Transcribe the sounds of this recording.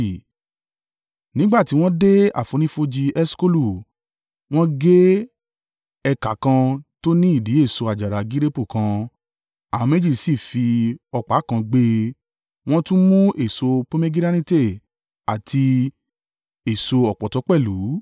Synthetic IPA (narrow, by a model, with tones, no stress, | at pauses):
nĩ˨˦ɡ͡ba˦˨ti˨˧˦w̃ɔ̃˦de˦a̰˦˨fo˨˧nĩ˦fo˧d͡ʒi˧ɛ˦sko˦lu˨ | w̃ɔ̃˦ɡe˦ | ɛ˧ka˨˦kã˧to˦nĩ˦i˦˨di˨˦e˦˨so˧a˨d͡ʒa˨ɾa˨ɡi˦ɾe˦pu˦˨kã˧ | ã˨˧me˦d͡ʒi˦˨si˦˨fi˧ɔ˧k͡pa˨˦kã˧ɡ͡be˧ | w̃ɔ̃˦tũ˦mũ˦ʔe˨so˧po˦me˦ɡi˦ɾa˦nĩ˦te˦˨ | a˨tʰi˧ | e˨so˧ɔ˨k͡pɔ˨tɔ˨˧˦k͡pɛ˦˨lu˨˦